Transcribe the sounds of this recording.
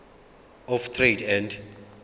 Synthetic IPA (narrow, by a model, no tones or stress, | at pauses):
ɔft̪ʰredɛnd